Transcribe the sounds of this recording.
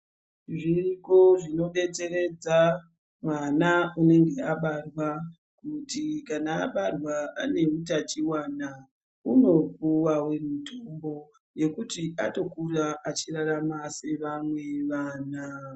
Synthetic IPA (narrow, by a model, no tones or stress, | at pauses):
ʐiko̞ʐino̞ɓe̞t͡se̞re̞d͡za | mwanaune̞ŋɡe̞aɓarwa | kutikanaːɓarwaa̰ne̞utat͡ʃiwaːna | uno̞puwawe̞mitʰombo̞ | je̞kutiʔa̰to̞kuraʔat͡ʃiraɾamase̞ʋamwe̞ʋaːna